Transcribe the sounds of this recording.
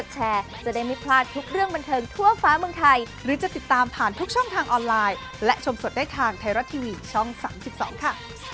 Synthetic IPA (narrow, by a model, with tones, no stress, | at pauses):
o˨˩t̪̚t͡ɕʰɛː˧t͡ɕa˨˩daː˥˩jmi˦˥pʰlaː˥˩nt̪ʰu˦˥k̚ɾɯ˥˩əŋba˧nt̪ʰɤː˧ŋt̪ʰu˥˩ɐfaː˦˥mɯ˧əŋt̪ʰa˧j | ɾɯː˩˦t͡ɕa˨˩t̪i˨˩t̪ːaː˧mpʰaː˨˩nt̪ʰu˦˥k̚t͡ɕʰɔ˥˩ŋt̪ʰaː˧ŋʔɔː˧nlaː˧j | lɛ˦˥ʔt͡ɕʰo˧mso˨˩t̪̚daː˥˩jt̪ʰaː˧ŋt̪ʰa˧jɾa˦˥t̪ʰːiː˧wiː˧t͡ɕʰɔ˥˩ŋsa̰ː˩˦msi˨˩p̚sɔ̰ː˩˦ŋkʰa˥˩